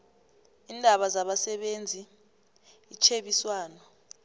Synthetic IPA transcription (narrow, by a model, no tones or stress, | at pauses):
iːndʱaɓazaɓasɛɓend͡zʱi | it͡ʃʰeɓiswaːnɔ